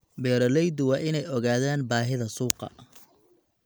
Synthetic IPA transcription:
bɛːɾɐlɛjd̪wɑːʔɪnɛjɔɣaːðaːnbaːɦɪðɐsuːqɑ̰

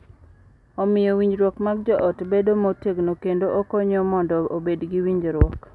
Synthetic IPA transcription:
ɔmɪjɔwiɲd͡ʒɾwɔkmaɡd͡ʒɔʔɔtbedomoteɡnokendoʔokoɲɔmɔndɔobedɡiwiɲd͡ʒɾwɔk

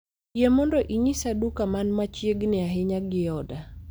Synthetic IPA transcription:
jemɔndɔʔiɲisadukamanmat͡ʃjeɡnɪaɦɪɲaɡɪjɔda

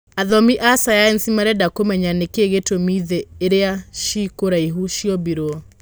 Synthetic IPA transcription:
aðɔmiʔasajaɛnsimaɾɛdakomɛɲanekeɣetomiðɛːɾeaʃikoɾaiɦuʃiɔbiɾoɔ

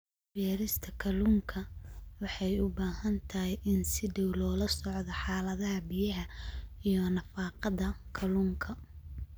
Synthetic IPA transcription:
bɛːɾɪst̪ʰɐkʰɐluːŋkʰɐwɑħɑjʊbaːhɐnt̪ʰɐɦɛjʔɪnsɪdɛwlɔːlɐsɔʕðɐħɑːlɐðɐɦɐbɪjɐɦɐijɔnɐfɑːqɑðɐkʰɐluːŋkʰɐ

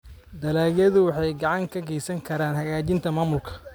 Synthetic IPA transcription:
d̪ɐlaːjɐðʊwɑħɑjɡɑʕɑŋkʰɐɡɛjsɐŋkʰɐɾaːnhɐɣaːt͡ʃɪnt̪ʰɐmaːmʊlkʰɐ̥

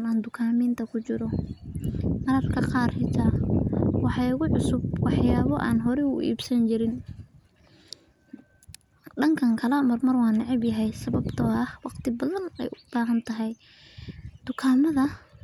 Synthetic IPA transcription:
naːnd̪ʊkʰaːmiːnt̪ʰɐkʰʊt͡ʃɪɾɔ | mɐɾɐrkʰɐqɑːrhɪt̪ʰaːwɑħɑɪɣʊʕʊsʊb̚wɑħjaːβɔʔaːnɦɔɾɛʊ̰ʔḭːbsɐnt͡ʃɪɾɪn | ɖɐŋkʰɐŋkʰɐlɐmɐrmɐrwɑːnɑʕɪbjɐɦɛjsɐβɐbt̪ʰɔːɐhwɑqt̪ʰɪbɐðɐnɛ̰jʔʊb̥aːɦɐnt̪ʰɐɦɛj | d̪̥ʊkʰaːmɐðɐ

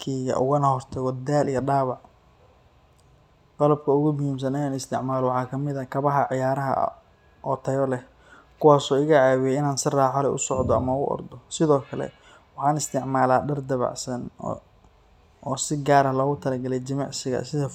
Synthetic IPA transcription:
kʰiːɣɐ̰ʔʊ̰ɣɐnɐhɔrt̪ʰɐɣɔd̪aːlʔijɐɖaːwɑʕ | qɑlɐb̚kʰɐʊɣʊmʊjiːms̬ɐnɪjaːnɪst̪ʰɪʕmaːlɔwʊħɑːkʰɐmɪðɐkʰɐβɐɦɐʕɪjaːɾɐɦɐ̰ | ʔɔːt̪ʰɐjɔlɛh | kʰʊwaːsɔːɪɣɐʕaːwɪjɛɪnaːnsɪraːħalɛjʔʊsɔʕd̪ɔɐ̰mɐʊ̰ʔɔ̰rd̪ɔsɪðɔːkʰɐlɛ̰ | wɑħɑːnɪst̪ʰɪʕmaːlaːɖɐrd̪ɐβɑ̰ʕsɐn | ʔɔːsɪɡaːɾɐlɔːɣʊt̪ʰɐlɐɡɐlɛjt͡ʃɐmɑʕsɪɣɐ̰sɪðɐ

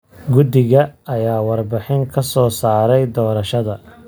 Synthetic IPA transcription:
ɡʊd̪ɪɣɐɐjaːwɑrbɪħɪŋkʰɐsɔːsaːɾɛjd̪ɔːɾɐʃɐðɐ

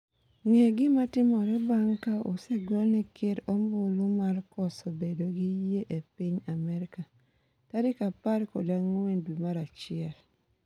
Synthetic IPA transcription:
ŋɛɡɪmatɪmɔɾɛbaŋkao̰sɛɡɔlnɪkɪɾɔmbʊlʊmarkɔsɔbedoɡijeʔepiɲamɛɾɪka | taɾɪkapaɾkɔdaŋendwimaɾat͡ʃɪɛl

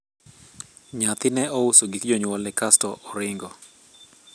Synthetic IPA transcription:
ɲat̪ɪnɛɔusoɡikd͡ʒɔɲwɔlɛkastɔʔɔɾɪŋɡɔ

